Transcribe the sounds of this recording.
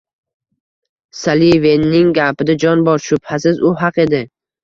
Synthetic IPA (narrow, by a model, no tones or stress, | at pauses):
salivenːɪŋɡʲapɪd̪ad͡ʒɒnbɒɾʃʊb̥hasɪzʊɦɑqe̞d̪ɪ